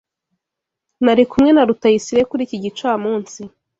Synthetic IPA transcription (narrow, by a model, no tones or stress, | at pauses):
naɾikumŋe̞naɾutajisiɾe̞kuɾiːciɟit͡ʃaːmuːnsi